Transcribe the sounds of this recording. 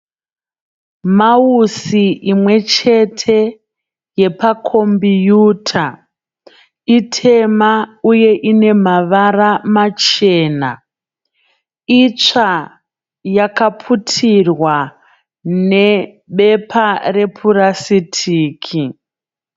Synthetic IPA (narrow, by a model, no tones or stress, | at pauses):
mausiʔimwe̞t͡ʃe̞tʰe̞ | je̞pakʰo̞mbijuːtʰa | itʰe̞mauje̞ʔine̞maʋaramat͡ʃe̞ːna̰ | it͡ʂa | jakapʰutʰirwa | ne̞ | ɓe̞pare̞pʰurasitʰiːkʰi